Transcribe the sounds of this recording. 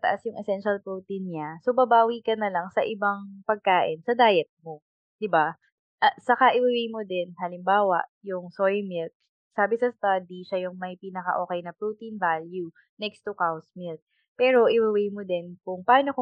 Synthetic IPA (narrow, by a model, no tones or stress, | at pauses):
t̪ɐ̰ʔasjʊŋʔɛsɛnʃɐlpɹut̪inɲasobɐbaːwikɐnɐlɐŋsɐʔɪbaŋpɐɡ̚kaːʔɪnsɐd̪aːjɛt̪̚mo | d̪̥ɪba | ʔɐsɐkaʔɪwɪwɛjmod̪ɛnɦɐlɪmbaːwɐ̰ʔjʊŋsojmɪlk̚ | saːbɪsɐst̪ad̪iʃajʊŋmɐjpinɐkɐ̰ʔoːkɛjnɐpɹut̪invalju | nɛkst̪ukawsmilk̪̚ | pɛːɾo̞ʔɪwɪwɛjmod̪ɛnkʊŋpaːnoko